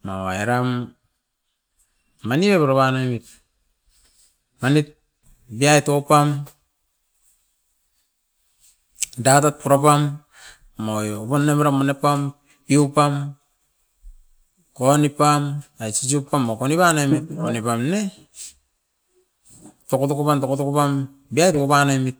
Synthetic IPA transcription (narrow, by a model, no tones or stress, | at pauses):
mawaeɾam | aniβepuɾaβanamit̚ | manit̚ | biaitopam | datat̚puɾapamː | ojopanːemaɾamonepam | piupam | konipamajt͡ʃis̬upːamːokoniβanamit̚onipamne | tokotokupantokotokupam | biajtokːpanamit̚